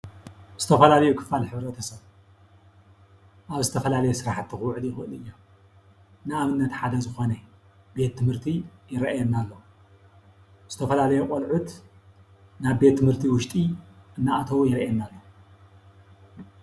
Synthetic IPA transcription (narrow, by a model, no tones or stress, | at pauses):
z̥ɨt̪ʰɐfɐlalɐjukʰɨ̥falħɨβɾɐt̪ʰɐsɐβ | ʔaβzɨt̪ʰɐfɐlalɐjɛsɨɾaħt̪ːɨxwʕɨljɪxɨɨlɨjːo | nɨaβɨnːɐt̪ħad̪ɐzɨxo̞nɐ | be̞t̪ʰːɨmhɨɾt̪ʰijɪɾɐʔajɛnːalːo | z̥ɨt̪ʰɐfɐlalɐjukʼolʕut̪ | naβbe̞t̪ʰːɨmhɨɾt̪ʰiwʊʃt̪ʼiʔɨnːaʔat̪ʰɐwjɪɾʔajɛnːalːo